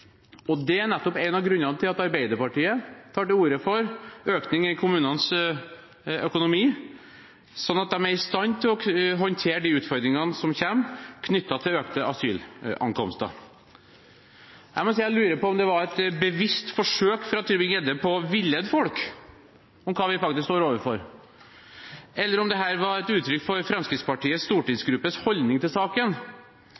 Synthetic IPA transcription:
ɔd̪ɛænɛt̪ːɔpɛɪnɑʋɡɾʉnːɑnət̪ʰɪlɑt̪ɑɾbæɪd̪əpɑʈiːət̪ʰɑːʈɪuːɾəfɔɾøːknɪŋɪkʰʊmʉːnəns | œkʊnʊmiː | sɔnːɑt̪̚d̪ɛmæɾɪst̪ɑnːt̪ʰɪlɔɦɔnt̪ʰeːɖ̪iːʉːt̪fɔɾd̪ɾɪŋɑnəsɔmçɛmːkʰnʏt̪ːɑt̪ʰɪløːkt̪əɑsy̰ːlɑ̰ŋkʰɔ̰mst̪ə̰ | jæɪmɔsiːælʉːɾəpɔɔmd̪ɛʋɑɾɛt̪bəʋɪst̪fɔʂøːkfɾɑt̪ʰyːɾbɪŋɛd̪ːəpʰɔʋɪlːɛd̪fɔlk | ɔmkʰɑːʋɪfɑk̚t̪ɪskst̪oːɾoːʋəɾfɔɾ | ɛlːəɾɔmd̪ɛɦæːɾʋɑɾɛt̪ʉːt̪ʰːɾʏkːfɔɾfɾɛmskɾɪt̪spɑʈiːəst̪uːʈɪŋsɡɾʉpːəshɔld̪nɪŋt̪ɪlsɑːkən

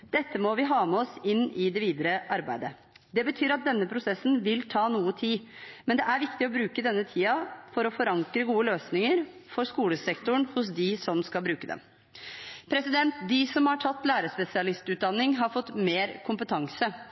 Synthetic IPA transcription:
d̪̥ɛt̪ʰːəmɔʋɪɦɑːmɛɔsɪnːɪd̪ɛʋiːd̪əɾəʔɑɾbæɪd̪ə | d̪ɛbət̪ʰyːɾɑt̪̚d̪ɛnːəpʰɾʊsɛsːnʋɪlt̪ʰɑːnuːət̪ʰiː | mɛnd̪ɛʔæɾʋɪkt̪ɪɔbɾʉːkəd̪ɛnːət̪ʰiːɑfɔɾɔfɔɾɑŋkɾəɡuːəløːsnɪŋəɾ | fɔɾskuːləsɛkt̪ʊɳhʊs̬d̪ɪsɔmskɑlbɾʉːkəd̪ɛ̰m | pʰɾɛsɪd̪ɛnt̪d̪ɪsɔmhɑʈʰɑt̪ːlæːɾəspɛsɪɑlɪst̪ʉːt̪̚d̪ɑnːɪŋɦɑɾfɔt̪ːmeːɾkʰʊmpət̪ʰɑŋsə

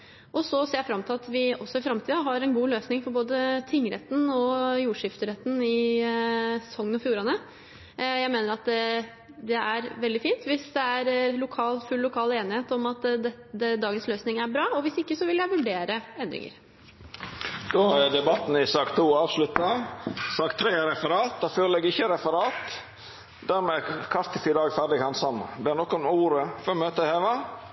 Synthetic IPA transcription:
ʔɔsɔseːɾjæfɾɑmt̪ʰɪlɑt̪ʋɪɔsːɔɪfɾɑmt̪ʰiːd̪ɑɦɑɾɛnɡuːløːsnɪŋfɔɾboːd̪ət̪ʰɪŋːəɾɛt̪ːn̩ɔjuːʂɪft̪əɾɛt̪ːən̩ɪ | sɔŋːənɔfjuːɾɑnə | jæɪmeːnəɾɑt̪̚d̪ɛ | d̪ɛæɾʋɛld̪ɪfiːnt̪ʋɪsd̪ɛæɾlʊkʰɑːlfʉlːʊkʰɑːleːnɪheːt̪ɔmɑt̪d̪ɛ | ɛd̪ɑːɡənsløːsnɪŋæɾbɾɑːɔʋɪsɪkːəsɔʋɪljæɪʋʉɖeːɾəɛnd̪ɾɪ̰ŋə̰ɾ | d̪̥oːæd̪ɛbɑt̪n̩ɪsɑːkt̪ʰuːɑːʋslʉt̪ɑsɑːkt̪ʰɾeːɾɛfəɾɑːt̪̚d̪ɑføːllɛɡɪçːəɾɛfəɾɑːt̪ | d̪æɾmɛkʰɑɾt̪ɪfiːd̪ɑːɡfæɖɪɡhɑnsɑmb̪ɛnɔkːɔmuːɾəfɔɾɔmøːt̪əheːʋɑ

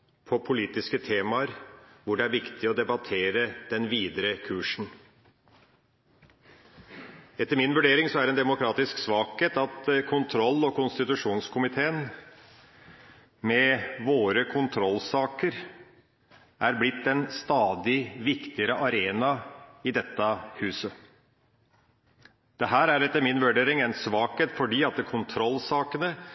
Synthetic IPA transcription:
pʰɔpʰʊliːt̪ɪskət̪ʰeːmɑəɾʋʊɖɛæɾʋɪkt̪ʰɪɔd̪ɛbɑt̪ʰeːɾəd̪̥ɛnʋiːd̪əɾəkʰʉːʂn̩ | ɛt̪ːəɾmɪnʋʉɖeːɾɪŋsɔæɖɛnd̪ɛmʊkʰɾɑːt̪ɪsksʋɑːkheːt̪ɑt̪kʰʊnt̪ʰɾɔlːɔkʊnst̪ɪt̪ʉʂuːnskʰʊmɪt̪ʰeːən | mɛʋoːɾəkʰʊnt̪ʰɾɔlːsɑːkəɾ | ʔæɾblɪt̪ːdɛnst̪ɑːd̪ɪʋɪkt̪ɪəɾəʔɑɾeːnɑɪd̪ɛt̪ːɑhʉːsə | d̪̥ɛɦæːɾæɾɛt̪ːəɾmɪnʋʉɖeːɾɪŋɛnsʋɑːkheːt̪fɔɖiːɑt̪̚ɛkʰʊnt̪ʰɾɔlsɑːkənə

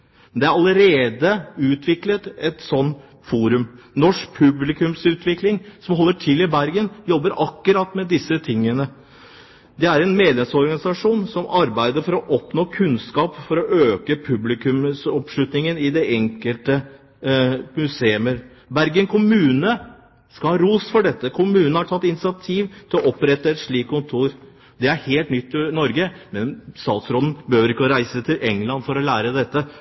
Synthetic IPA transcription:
nd̪ɛæɾɑləɾeːd̪əʉːt̪ʰʋɪklət̪ɛt̪sɔn | fuːɾʉmnɔʂk̚pʰʉblɪkʉmsʉːt̪ʰʋɪklɪŋsɔmhɔlːəʈʰɪlɪbæɾɡənjɔbːəɾɑkːʉɾɑt̪ːmɛd̪ɪsːət̪ʰɪŋːənə | d̪ɛæɾɛnmeːd̪lɛmsɔɾɡɑnɪsɑʂuːnsɔmɑɾbæɪd̪əɾfɔɾɔʔɔpnoːkʰʉnskɑːpfɔɾɔʔøːkəpʰʉblɪkʉmsɔpʂɭʉt̪nɪŋənɪd̪ɛʔɛŋkəlt̪ə | mʉseːʉməɾ | bæɾɡəŋkʰʊmʉːnə | skɑhɑɾuːsfɔɖɛt̪ːəkʰʊmʉːnəhɑʈʰɑt̪ːɪnɪsɪɑt̪ʰiːʋt̪ʰɪlɔʔɔpɾɛt̪ːəɛt̪ʂɭiːkkːʊnt̪ʰuːɾ | d̪ɛæɾheːlt̪nʏt̪ːɪnɔɾɡəmɛnst̪ɑːt̪sɾoːd̪n̩bəhøːʋəɾɪkːəɔɾæɪsət̪ʰɪlʔɛŋlɑnfɔɾɔlæːɾəd̪ɛt̪ːə

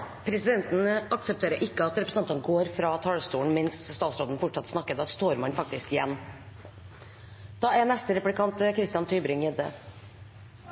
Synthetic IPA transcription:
pʰɾɛsɪd̪ɛnt̪ənəʔɑksəpt̪ʰeːɾəɾʔɪkːəɑt̪ɾɛpɾəsɑnt̪ənɡoːɾfɾɑːt̪ʰɑːɭst̪uːɳ̩mɪnsst̪ɑːt̪sɾoːd̪n̩fʊʈʂɑt̪ːsnɑkːət̪ɑst̪oːɾmɑnfɑk̚t̪ɪskɪjɛnː | d̪̥ɑːæɳɛst̪əɾɛpʉlɪkɑnt̪kʰɾɪst̪jɑnt̪ʰyːbɾʏŋjɛd̪ə

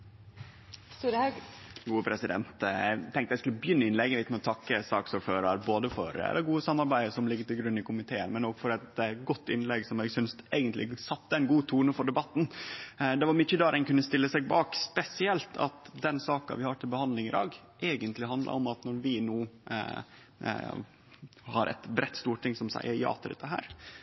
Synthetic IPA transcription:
st̪uːɾəhɑɡ | ɡuːəpʰɾɛsɪd̪ɛ̰nt̪jæ̰ɪt̪ʰɛŋt̪əjæɪskʉləbjʏnːəɪnlɛɡəʋɪt̪mɛɔt̪ʰɑkːəsɑːksɔɾføːɾɑɾboːd̪əfɔ̰ɾɛ̰lːəɾɡuːəsɑmːɑɾbæɪd̪əsɔmlɪɡːəʈ̪ɪlɡɾʉnːɪkʰʊmɪt̪ʰeːə̰nmɛnoːɡfɔɾɛt̪ɡɔt̪ːɪnlɛɡsɔmɛɡsʏnst̪eːɡənt̪lɪ̰sɑt̪ːəɛɪnɡuːt̪ʰuːnəfɔɖɛbɑt̪ːn̩d̪ɛʋɑɾmʏçəd̪ɑːɾɛnkʉnːəst̪ɪlːəsɛɡ̚bɑːkspɛsɪɛlt̪ʰɑ̰t̪d̪ɛnsɑːkɑ̰ʋɪhɑʈʰɪlbəhɑnd̪lɪŋɪd̪ɑ̰ːɡ | ʔeːɡənt̪lɪɦɑnd̪lɑ̰ɾɔmɑt̪nɔɾʋɪnuː | hɑɾʔɛ̰t̪bɾʔɛt̪ːst̪uːʈʈɪŋsɔmsæ̰ɪʔəjɑ̰ːt̪ʰəɾɛ̰t̪ːəɦæ̰ːɾ

